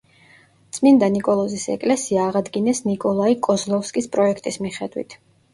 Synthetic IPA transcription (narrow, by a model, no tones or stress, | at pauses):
t̪sʼmind̪anikʼɔlˠɔzisɛ̰kʼlɛsiaːʁad̪ɡinɛsnikʼɔlˠaikʼɔzlˠɔfskʼispʼɾɔɛkʰt̪ʼismiχɛd̪wḭt̪ʰ